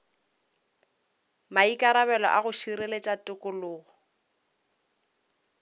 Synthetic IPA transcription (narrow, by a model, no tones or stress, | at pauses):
maikʼaɾaβɛlɔ̰ʔaɣʊʃiɾelet͡ʃʼatʼʊkʼʊlʊːɣʊ